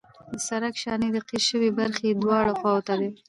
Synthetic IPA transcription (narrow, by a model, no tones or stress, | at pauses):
d̪əsaɾakʃɑned̪əqiʃəwebaɾxed̪wɑɽaxwɑwt̪ad̪e